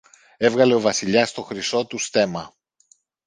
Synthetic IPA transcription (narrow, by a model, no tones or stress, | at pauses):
e̞vɣɐle̞o̞vɐsiʎɐst̪o̞xɾiso̞t̪ust̪e̞mɐ